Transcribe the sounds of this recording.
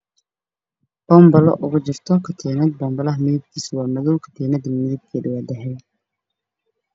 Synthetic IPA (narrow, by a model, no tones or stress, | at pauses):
b̥ɔːmbɐlɔ̰ʔʊɣʊt͡ʃɪrt̪ʰɔkʰɐt̪ʰɛːnɐd̪̚bɔmbɐlɐɦmɪðɪb̚kʰiːswaːmɐðɔwkʰɐ̥t̪ʰɛːnɐd̪ɐmɪðib̚kʰiɖɪwaːd̪ɐɦɛj